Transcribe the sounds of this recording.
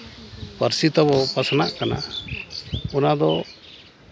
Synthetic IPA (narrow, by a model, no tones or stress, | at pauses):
pəɾsit̪ɔbɔpasanaʔkana̰ | unad̪ɔ